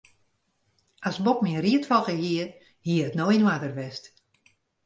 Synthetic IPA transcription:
asbokmiəriətfɔlˠɣəhiə | hiəətnoinwatərʋɛst

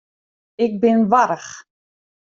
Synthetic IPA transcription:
ɪk̚bɪnʋaɾəx

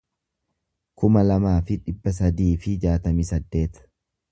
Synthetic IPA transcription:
kʊmɐlɐmaːfɪᶑɪbːɐs̬ɐd̪iːfɪd͡ʒaːt̪ɐmiːsɐd̪ːe̞ːt̪ɐ̥

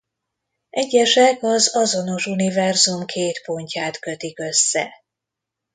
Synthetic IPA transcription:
ɛɟːɛʃɛkɒzɒzo̞no̞ʃunivɛrzumkʰeːt̪po̞ɲcaːt̪kø̞t̪ikø̞sːɛ̰

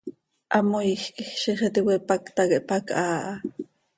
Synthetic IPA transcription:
ʔɑmojxkixʃiχet̪iwepakt̪ɑkeʔpakʔaːʔɑ

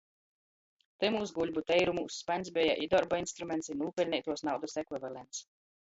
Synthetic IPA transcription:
t̪ɨmuːsɡulʲbut̪ɛjɾumṵːsspanʲsbʲɛja̰ʔid̪ɔɾbɔinst̪ɾumʲɛnt̪sinuːpʲɛlʲnʲɛjt̪uɔsnawd̪usɛkvivalɛnt̪s

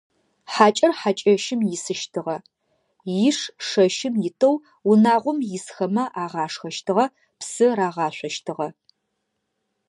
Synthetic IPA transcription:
ħaːt͡ʃʼɐrħat͡ʃʼɐʃɪmjɪsɨʃtʰɨʁɐ | jɪʂʂɐʃɪmjɪtʰʼɐw | wʊnaːʁʷʊmjɪsxɐmɐʔaːʁɑːʂxɐʃtʰɨʁɐ | psɨraːʁɑːɕʷɔʃtʰɨʁɐ

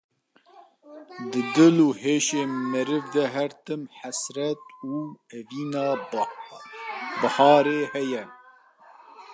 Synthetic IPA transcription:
d̪ɨd̪ɨluːɦeːʃeːmɨɾɨvd̪ɛɦæɾt̪ɨmħæsɾɛt̪̚uːɛviːnɑː | bɨhɑːɾeːhɛjɛ

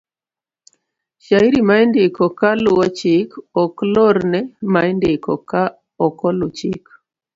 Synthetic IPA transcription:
ʃaiɾimaindɪkɔkaluwɔt͡ʃikɔklɔɾnɛmaindɪkɔka | ɔkɔlut͡ʃḭk

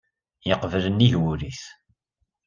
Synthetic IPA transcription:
jəqvələnːiʝwuɾiθ

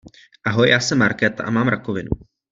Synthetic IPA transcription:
ʔaɦo̞jjaːsɛmːaɾkɛːt̪a̰ʔamaːmɾakovɪnu

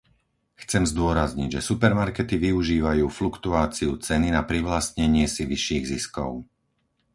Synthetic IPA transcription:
xt͡sɛmzd̪ʊɔɾazɲiɟʒɛsupɛɾmaɾkɛt̪iʋiuʒiːʋajuːflukt̪uaːt͡siut͡sɛninapɾiʋlast̪ɲɛɲɪɛsiʋiʃiːɣziskɔ̰ʊ

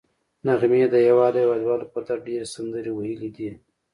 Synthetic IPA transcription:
naɣmed̪əjawɑːljwaːd̪wɑːlopat̪aɖeɾesand̪əɾiwajəlid̪i

